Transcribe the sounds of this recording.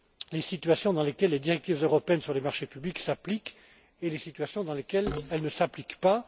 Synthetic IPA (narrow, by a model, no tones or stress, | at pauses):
lesit̪ɥasjɔ̃d̪ɑ̃lekʲɛlːed̪iʁɛk̚t̪ivzøʁɔpeɛnsyʁlemaʁʃepybliksaplik | elesit̪ɥasjɔ̃d̪ɑ̃lekʲɛlɛlnəsaplikpa